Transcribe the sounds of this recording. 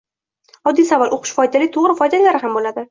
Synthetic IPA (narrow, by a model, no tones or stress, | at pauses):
ɒd̪ːijsavalʔoqʰʊ̥ʃfɒjd̪alɪt̪ʰoʁɾɪfɒjd̪alaɾɪɦambolad̪ɪ